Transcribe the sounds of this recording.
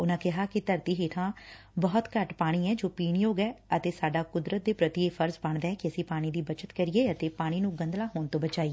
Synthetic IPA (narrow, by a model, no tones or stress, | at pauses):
ʊnãːkɪɦaːkɪt̪əɾt̪iːɦeːʈʰãː | bɔːt̪kəʈpaːɽ̃iːɛːd͡ʒoːpiːɳjoːɡɛːət̪eːsaːɖaːkʊd̪ɾət̪̚d̪eːpɾət̪ɪeːfʰəɾsbəɳd̪ɛːɛːkɪəsĩːpaːɽ̃iːd̪iːbət͡ʃət̪kəɾɪeːət̪eːpaːɽ̃iːnũːɡə̃nd̪laːɦoːnt̪õːbət͡ʃaːiː